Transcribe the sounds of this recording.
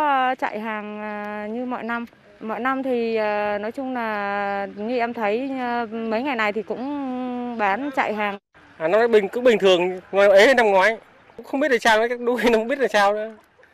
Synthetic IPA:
t͡ɕa̰ː˧˨jɦaː˨˩ŋː˨˩ɲɨ˧mɔ̰˧˨jna˧m | mɔ̰˧˨jna˧mt̪ʰi˨˩ʔəː˨˩nɔ˨˦jt͡ɕʊ˧ŋ͡mlaː˨˩ɲi˧ʔɛ˧mt̪ʰə˨˦jmə˨˦jŋa˨˩jna˨˩jt̪ʰi˨˩kʊ̰˧˥ŋ͡mɓaː˨˦nt͡ɕa̰ː˧˨jɦaː˨˩ŋ | ʔaː˨˩na˧wnaː˧˥jɓï˨˩ŋ̟kʊ̰˧˥ŋ͡mɓï˨˩ŋ̟t̪ʰɨ˨˩əŋŋa˨˩a˨˩ʔe˨˦həː˧jna˧mŋwaː˨˦j | ʊ̰˧˥ŋ͡mxwŋ͡mɓi˦˥t̚ɗ̚saː˧waː˨˧˦kaː˦˥k̚ɗu˨˦xi˧n˧kŋ͡mɓi˦˥t̚laː˨˩saː˧wnɨ̰˧˦

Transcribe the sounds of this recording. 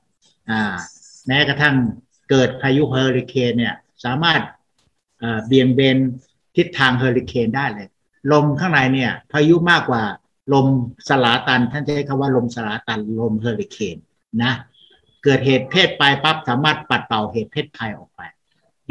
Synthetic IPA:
ʔaː˧˩ | mɛː˦˥ka˧t̪ʰa˥˩ŋ | kɤː˨˩t̪̚pʰaː˧ju˦˥pʰa˧hɤː˧li˧kʰeː˧nːi˥˩ɐ | saː˨˩˦maː˥˩t̪̚ | ʔaː˨˩bi˨˧˩əŋbeː˧n | t̪ʰi˦˥t̪ʰːaː˧ŋɦɤː˧li˧kʰeː˧ndaː˥˩jlɤː˧j | lo˧mkʰaː˥˩ŋna˨˧jni˥˩ɐpʰaː˧ju˦˥maː˥˩kːwaː˨˩ | lo˧msa˧laː˩˦t̪a˧nt̪ʰa˥˩nt͡ɕa˨a˥˩jkʰaː˧˥˩waː˥˩lo˧msa˧laː˩˦t̪a˧nlo˧mhɤː˧li˧˩kʰeː˧nː | a˦˥ | kɤː˨˩t̪̚heː˨˩t̪̚pʰeː˥˩t̪̚pa˧jpa˦˥p̚saː˩˦maː˥˩t̪̚pa˨˩t̪̚pa˨˩wheː˨˩t̪̚pʰeː˥˩t̪̚pʰa˧jʔɔ̰ː˨˩k̚pa˧j

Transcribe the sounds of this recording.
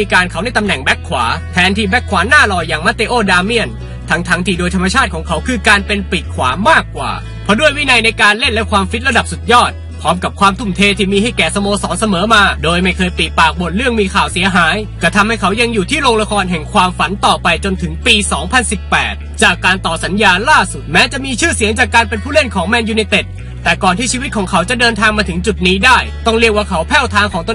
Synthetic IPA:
iː˧kaː˧nkʰa˦˥wna˥˩t̪a˧mnɛ˨˩ŋbɛ˦˥kʰːwa̰ː˩˦t̪ʰɛː˧nt̪ʰiː˥˩bɛ˦˥kʰwaː˩˦˥naː˥˩lɔː˧jːaː˨˩ŋmaː˦˥t̪e˧ʔoː˧˥˩daː˧mi˥˩ən | t̪ʰa˦˥ŋt̪ʰa˦˥ŋt̪ʰiː˥˩doː˧jt̪ʰa˧mːa˧t͡ɕʰaː˥˩t̪̚kʰɔː˩˦ŋkʰa˦˥wkʰɯː˧kaː˧npe˧npiː˨˩t̪̚kʰwaː˩˦maː˥˩kːwa̰ː˨˩ | pʰɔ˦˥du˥˩əjwiː˥˩na˧jna˧jkaː˧nle˥˩nlɛ˦˥kʰwaː˧mfi˦˥t̪̚ɾa˧da˨˩p̚su˨˩t̪̚jɔː˥˩t̪̚ | pʰɾɔː˦˥mka˨˩p̚kʰwaː˧mt̪ʰu˧˥˩mt̪ʰeː˧t̪ʰiː˥˩miː˧ha˥˩jkɛː˨˩sa˧moː˧sɔː˩˦˥nsa˧mɤː˩˨˦maː˧doː˧jma˥˩jkʰɤː˧jpiː˨˩t̪̚paː˨˩k̚bo˨˩n̚ɾɯ˥˩əŋmiː˧kʰaː˨˩wsi˨˩˦ɐɦaː˩˦jka˧˩t̪ʰa˧mha˥˩jkʰa˦˥wja˧ŋjuː˨˩t̪ʰiː˥˩ɾoː˧ŋla˧kʰɔː˧nɦɛ˨˩ŋkʰwaː˧mfa˨˩˦nt̪ɔː˨˩pa˧jt͡ɕo˧nt̪ʰɯ˩˦ŋpiː˧sɔː˩˦ŋpʰa˧nsi˨˩pːɛ̰ː˨˩t̪̚t͡ɕaː˨˩kːaː˧nt̪ɔː˨˩sa˨˦njaː˧nlaː˥˩su˨˩t̪̚mɛː˦˥t͡ɕa˨˩ʔmiː˧t͡ɕʰɯː˥˩si˨˩˦əŋt͡ɕaː˨˩kːaː˧npe˧npʰuː˥˩le˥˩nkʰɔː˩˦ŋmɛː˧njuː˧ni˧t̪e˨˩t̪̚ː | ɛː˨˩kɔː˨˩nt̪ʰiː˥˩t͡ɕʰiː˧wi˦˥t̪̚kʰɔː˩˦ŋkʰa˦˥wt͡ɕa˨˩ʔdɤː˧nt̪ʰaː˧ŋmaː˧t̪ʰɯ˩˦ŋt͡ɕu˨˩t̪̚niː˦˥daː˥˩jt̪ɔ˥˩ŋɾi˥˩ək̚waː˥˩kʰa˦˥wpʰɛː˥˩wt̪ʰaː˧ŋkʰɔː˩˦ŋt̪o˧˨

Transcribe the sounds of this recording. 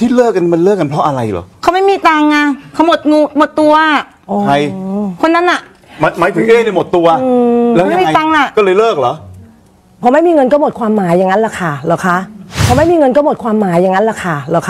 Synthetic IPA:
t̪ʰiː˥˩lɤː˥˩k̚ːa˧n˦ma˧nlɤː˥˩k̚ːa˧npʰɾɔ˦˥ʔa˧ɾa˧jlɔ̰˨˩˦kʰa˨˦˥wma˥˩jmiː˧˩t̪aː˧ŋːa˧kʰa˧˥˩mo˨˩t̪̚ŋuː˧˩mo˨˩t̪ːu˧ɐ˩ | ʔoː˧a˧jkʰo˧nːa˦˥nʔa˨˩ʔ | ma˧˦ma˨˥jpʰɯ˨˦ʔeː˥˩ni˧˥˩mo˨˩t̪ːu˧ɐɯ˧˦˥a˦˥˨iː˧t̪aː˧ŋla˨˩ʔkɔː˥˩lɤː˧jlɤː˥˩k̚lɔ˦ʔ | pʰɔ˨˧˦ma˥˩jmiː˧ŋɤ˧nkɔː˥˩mo˨˩t̪̚kʰwaː˧mːaː˨˩˦jːa˨˩ŋːa˦˥nla˨˩kʰa˥˩lɔ˨˩wkʰa˦˥ʔpʰɔː˧ma˥˩jmiː˧ŋɤ˧nkɔː˥˩mo˨˩t̪̚kʰwaː˧mːaː˨˩˦jːa˨ŋːa˦˥nla˨˩kʰa˥˩la˨˩kʰa˦˥

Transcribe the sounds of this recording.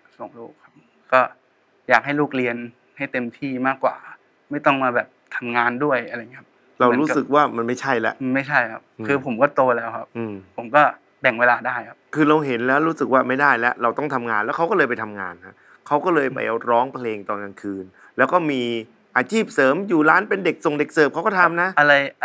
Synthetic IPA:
so˨˩˦ŋluː˥˩k̚ʰa˦˥p̚ | kɔː˥˩ | jaː˨˩k̚ha˥˩jluː˥˩k̚li˧ən | ha˥˩jt̪e˧mt̪ʰiː˥˩maː˥˩kwa̰ː˨˩ | ma˥˩jt̪ɔ˥˩ŋmaː˧bɛː˨˩p̚t̪ʰa˧mŋaː˧ndu˥˩əjʔa˧ɾa˧˨ŋi˦˥˦a˦˥ | ɾa˧wɾuː˦˥sɯ˨˩k̚waː˥˩ma˧nma˥˩jt͡ɕʰa˥˩jlɛ̰˦˥ʔma˥˩jt͡ɕʰa˥˩jkʰa˦˥p̚kʰɯː˧pʰo˩˦mkɔː˥˩t̪oː˧lɛː˦˥wkʰa˦˥p̚ʔɯː˧˩mʰo˩˦mkɔː˥˩ | bɛ˨˩ŋweː˧laː˧daː˥˩jkʰa˦˥p̚kʰɯː˧ɾa˧wɦe˩˦nlɛː˦˥wɾu˦˥sɯ˨˩k̚waː˥˩ma˥˩jdaː˥˩jlɛ˦˥ʔɾa˧wt̪ɔ˥˩ŋt̪ʰa˧mŋaː˧nlɛː˦˥wkʰa˦˥wkɔː˥˩lːɤː˧jpa˧jt̪ʰa˧mŋa̰ː˧nkha˦˥ | kʰa˦˥wkɔː˥˩lɤː˧jpa̰˧jʔɾɔː˦˥ŋpʰleː˧ŋt̪ɔː˨˧nka˧nkʰɯː˧n | lɛː˦˥wkɔː˥˩miː˧ | ʔaː˧t͡ɕʰiː˥˩p̚sɤː˩˦mjuː˨˩laː˦˥npe˧nde˨˩k̚so˨˩ŋde˨˩k̚sɤː˨˩p̚kʰa˦˥wkɔ˥˩t̪ʰa˧mna˦˥ʔʔa˧ɾa˧j

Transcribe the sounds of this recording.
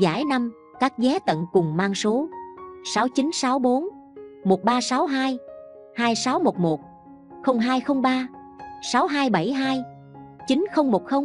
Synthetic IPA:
za̰ː˧˩jna˧m | kaː˦˥k̚zɛ˨˦t̪ə̰˧˨nkʊ˨˩ŋ͡mmaː˧ŋso˨˦saː˨˦wt͡ɕi˨˦nsaː˨˦wɓo˨˦nmo˨˩t̚ɓaː˧saː˨˦wɦaː˧j | haː˧jsaː˨˦wmo˨˩t̚mo˨˩t̚ | xə˧wŋ͡mɦaː˧jxə˧wŋ͡mɓaː˧ | saː˨˦wɦaː˧jɓa˧˩jɦaː˧j | t͡ɕi˨˦nxə˧wŋ͡mmo˨˩t̚xə˧wŋ͡m

